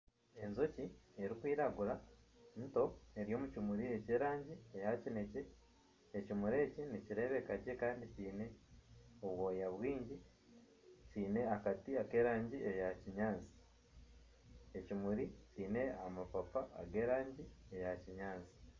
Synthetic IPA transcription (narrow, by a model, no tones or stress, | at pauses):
e̞nzo̞cieɾikwiːɾaɡuɾa | nto̞e̞ɾijo̞ːmucimuɾie̞ceːɾaːɲɟiejacine̞ce̞ː | cimuɾe̞ːciniciɾe̞ːβe̞kaɟe̞kaːndiciːne̞ | oβwoːjaβwiːɲɟi | ciːne̞akatiake̞ːɾaːɲɟiʔe̞jaciɲaːnzi̥ | e̞cimuɾiciːne̞amapapa̰ːɡe̞ːɾaːɲɟie̞jaciɲaːnzi̥